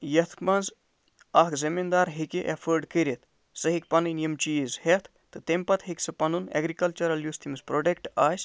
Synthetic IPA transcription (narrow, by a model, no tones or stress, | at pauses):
jɐt̪ʰkmɐnz | ɐkzimind̪aːɾɦikiʔefʰəɾɖkəɾet̪ʰ | sɐɦikpɐnɨnijɐmt͡ʃiːzhet̪ʰ | t̪ɨt̪empɐt̪hiksɐpɐnunɛ̰ɡɾikɐlt͡ʃɐɾɐljust̪ʰimɐspɾoɖekʈaːs